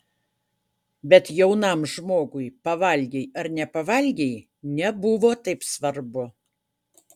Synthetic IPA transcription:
bʲɛt̪jɛʊnɑmʒmoːɡʊjpɐʋɐlʲɡʲejɐɾnʲɛpɐʋɐlʲɡʲej | nʲɛbʊʋoːt̪ɐɪpsʋɐɾbʊ

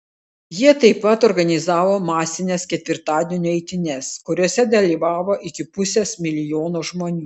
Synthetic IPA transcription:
jiɛt̪ɐɪpːɐt̪ɔɾɡɐnʲɪzɑːʋoːmɑːsʲɪnʲeskʲɛt̪ʲʋʲɪɾt̪ɑːd̪ʲeːnʲuːɛɪt̪ʲɪnʲɛskʊɾʲuɔsʲɛd̪ɐlʲiːʋɑːʋoːʔɪkʲɪpʊsʲesmʲɪlʲɪjoːnoːʒmoːnʲuː

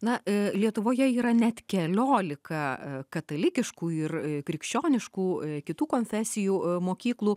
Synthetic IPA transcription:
nɐlʲiɛt̪ʊʋoːjɛiːɾɐnʲɛt̪kʲɛlʲoːlʲɪkɐkɐt̪ɐlʲɪkʲɪʃkuːɪrkɾʲɪkʃʲt͡ʃʲoːnʲɪʃkuːkʲɪt̪uːkoːnʲfʲæːsʲɪjuːmoːkʲiːklˠuː

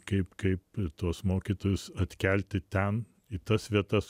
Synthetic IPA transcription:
kɐɪpkɐɪpt̪uɔsmoːkʲiːt̪oːjʊsɐt̪ʲkʲɛlʲt̪ʲɪt̪ʲɛn | it̪ɐsʋʲiɛt̪ɐs

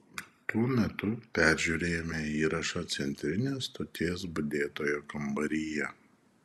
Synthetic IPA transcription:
t̪uɔmʲɛt̪ʊpʲæˑɾʲʒʲuːɾʲeːjoːmʲɛiːɾɐʃɐt̪sʲɛnʲt̪ʲɾʲɪnʲeːst̪oːt̪ʲeːsbʊd̪ʲeːt̪oːjoːkɐmbɐɾʲijɛ

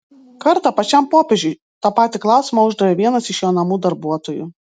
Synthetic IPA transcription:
kɐɾt̪ɐpɐt͡ʃʲɛmpoːpʲed͡ʒʲʊɪ | t̪ɑːpɑːt̪ʲɪklˠɑˑʊsʲɪmɐʊʒd̪ɐɾʲeːʋʲiɛnɐsɪʃjoːnɐmuːd̪ɐɾbuɔt̪oːjṵ

